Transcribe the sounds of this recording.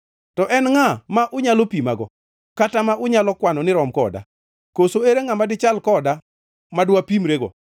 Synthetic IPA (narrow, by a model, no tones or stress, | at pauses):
tɔʔɛnŋamaʔʊɲalopima̰ɡɔ̰ | katamaʔʊɲalɔkwanɔnɪɾɔmkɔda̰ | kosoeɾeŋamadɪt͡ʃalkɔda | madwapimɾeɡɔ̰